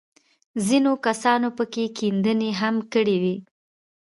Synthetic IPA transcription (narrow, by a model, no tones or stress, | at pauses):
zinokasɑnopəkekind̪əneɦamkəɽewi